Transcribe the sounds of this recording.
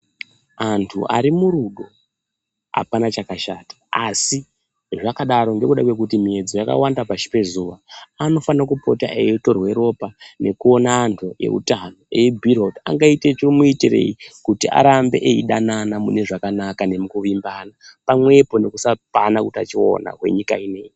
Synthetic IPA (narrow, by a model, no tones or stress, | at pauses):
antʰṵʔa̰ɾimuɾuɗo | a̰panat͡ʃakaʃaːtḁasi | ʐakaɗaɾo̞nde̞kuɗakwe̞k̬utimie̞d͡zojaka̰wandapaʃi̥pe̞zuʋaano̞fanakupo̞̰ta̰ʔejto̞rwe̞ɾo̞pane̞kuo̞naːntʰuje̞̰ṵtano̞ejebʱiɾota̰ŋɡaitet͡ʃirmuitire̞̰ikutiʔa̰ɾambe̞ʔeiɗananamune̞ʐakanakane̞mukuʋimbaːnapamwe̞po̞ne̞kusapanakuta̰t͡ʃio̞̰na̰kwe̞̰ɲikaine̞ːji